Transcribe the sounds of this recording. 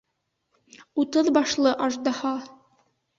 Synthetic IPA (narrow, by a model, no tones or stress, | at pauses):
ut̪ɤðbɑʃlˠɤʔɑʒd̪ɑhɑ